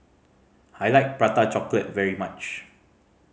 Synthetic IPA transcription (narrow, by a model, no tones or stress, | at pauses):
ajlaɪk̚pɹatat͡ʃɔklət̚vɛɹimat͡ʃ